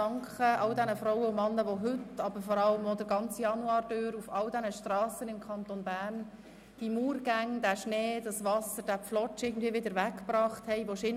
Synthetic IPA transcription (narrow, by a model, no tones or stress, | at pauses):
ɑŋkχəʔɑldɛnəfɾɔʊwəʊmɑnːəʋoɦʏtɑbəfɔɾɑləmɔldəɾɡɑnt͡sjɑnuɑːɾd̥øːɾufɑldɛnəʃtrɑːsənɪmkʰɑnt̪onbæːɾn | d̥imuːɾɡ̥æŋd̥æʃneːd̥ɑsvɑsəd̥æflɔt͡ʃɪːɡən̩dviːəvʋɪdəɾvækːbɾɑːχthɛɪʋoʃɪn